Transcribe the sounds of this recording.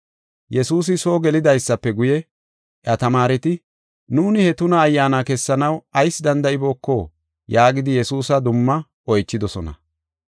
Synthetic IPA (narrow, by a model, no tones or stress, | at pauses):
jɛsuːs̬ɪso̞ːɡɛlɪd̪ɐjsːɐpːɛɡʊjɛ | ʔʔɐt̪ɐmaːɾɛt̪ɪ | nuːnɪhɛt̪ʊnɐːjːaːnakɛsːɐnɐwɐjsd̪ɐnd̪ɐʔɪbo̞ːkːoː | jaːɡɪd̪ɪjɛsuːsɐd̪ʊmːɐ | ɔjt͡ʃːɪd̪ɔsɔnɐ̰